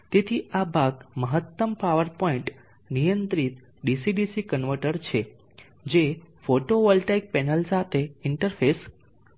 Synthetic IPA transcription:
t̪et̪ʰiabʱaɡməɦət̪ːəmpaʋəɾpɔĩɳʈ | nijənt̪ɾit̪ | ɖisiɖisikənʋəɾʈəɾt͡ʃʰe | d͡ʒefoʈoʋəlʈajk̚pɛnəlsat̪ʰeɪɳʈəɾfʰes

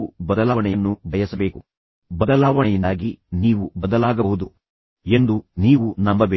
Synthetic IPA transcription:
ubɐd̪ɐlaːʋɐɳɛjɐnːubʱɐjɐsɐbe̞ːku | bɐd̪ɐlaːʋɐɳɛjind̪aːɡiniːʋubɐd̪ɐlaːɡɐɦud̪u | e̞nd̪uniːʋunɐmːɐʋe

